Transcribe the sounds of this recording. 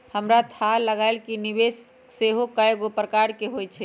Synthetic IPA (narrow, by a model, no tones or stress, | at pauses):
həmɾat̪ʰaləɡaelkinibes | seɦokəjeɡopɾəkaɾkeɦojt͡ʃʰɛ